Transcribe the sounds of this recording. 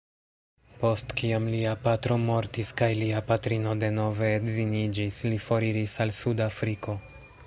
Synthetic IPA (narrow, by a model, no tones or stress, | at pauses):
po̞stkiamliapatɾo̞mo̞ɾtiskajliapatɾino̞de̞no̞ve̞ːtzinid͡ʒislifo̞ɾiɾisalsudafɾiko̞